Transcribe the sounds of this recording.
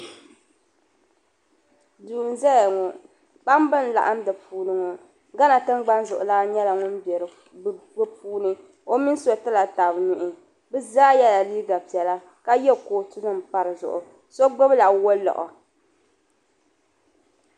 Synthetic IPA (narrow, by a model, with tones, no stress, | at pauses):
duː˨n˨zɛ˦ja˨ŋɔ˨ | k͡pa˦m˦bɨ˦n˦˨la̰˨ʔa˦m˦dɨ˨puː˦nɨ˦ŋɔ˨ | ɡa˦na˨tɨ˦mɡ͡ba˦nzʊ˨ʔʊ˨la˦ɲɛ˦la˨ŋʊ˦n˦bɛ˨ɾɨ˨ | bbɨ˦puː˦nɨ˦ | o˦mi˦n˦so˨tɨ˦la˨ta˨bnu˨ʔɪ˨ | bɨ˦zaː˦jɛ˦la˨liː˦ɡa˨pi˨ɛ˨la˦ | ka˦jɛ˦koː˨tu˦nɨ˦mpa˦ɾɨ˨zʊ̰˨ʔʊ̰˨ | so˦ɡ͡bo˦bla˨wo˦lɔ̰˨ʔɔ̰˨